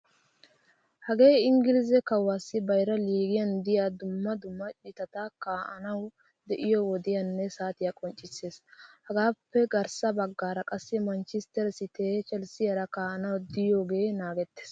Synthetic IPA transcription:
hɐɡe̞ːɪŋɡɪlɪzɛkɐwːaːsːɪbɐjɾɐliːɡɪjɐnd̪ɪjaːd̪ʊmːɐd̪ʊmːɐt͡ʃʼɪt̪ɐt̪akaːʔɐ̰nɐw | d̪ɛʔɪjɔwɔd̪ɪjɐnːɛsaːt̪ɪjaːkʼɔnt͡ʃʼːɪsːe̞ːshɐɡaːpːɛɡɐɾsɐbɐɡːaːɾɐkʼɐsːɛmɐnt͡ʃɪst̪ɛɾsɪt̪eːt͡ʃʼɛlsɪjɐɾɐkaːʔɐnɐwd̪ɪjo̞ːɡe̞ːnaːɡɛt̪ːeːs

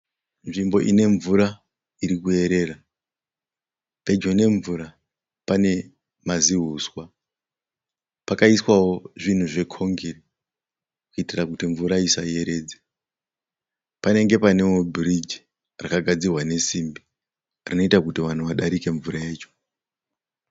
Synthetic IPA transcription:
nʐimbo̞ʔine̞ɱvuɾa | iɾikue̞ɾe̞ːra | pe̞d͡ʒone̞ɱvuɾa | pane̞ | maziɦuswa | pakaiswawo̞ʐin̤uʐe̞kʰo̞ŋɡiri | kuitirakutiɱvuɾaisaje̞ɾe̞ːd͡ze | pane̞ŋɡe̞pane̞wobʱirid͡ʒi | rakaɡʱad͡zirwane̞simbi | rino̞itakutiʋan̤uʋaɗaɾike̞ɱvuɾajeːt͡ʃo̞̥

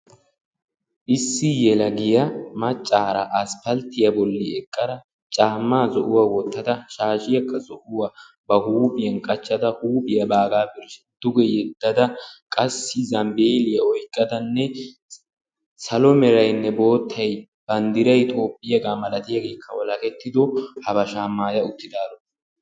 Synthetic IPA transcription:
ʔɪsːɪjɛlɐɡɪjɐmɐt͡ʃʼːaːɾɐʔɐspɐlt̪ːɪjɐbɔlːɪɛkʼːɐɾɐ | t͡ʃʼaːmːaːzɔʔʊwawɔt̪ːɐd̪ɐʃaːʃɪjɐkːɐzɔʔʊwa | bɐhuːbɪjɐnkʼɐt͡ʃːɐd̪ɐhuːbɪjɐbaːɡaːbɪɾʃɛ̥d̪̥ʊɡɛjɛd̪ːɐd̪ɐkʼɐsːɪzɐmbeːlɪjɐɔjkʼːɐd̪ɐnːɛ | sɐlɔmɛɾɐjnːɛbo̞ːt̪ʰːɐj | b̥ɐnd̪ɪɾɐjt̪ʰo̞ːpʼːɪjɐɡaːmɐlɐt̪ɪjɐɡe̞ːkʰːɐwɔlɐkɛt̪ːɪd̪ɔhɐbɐʃaːmːaːjɐʊt̪ːɪd̪aːlɔ

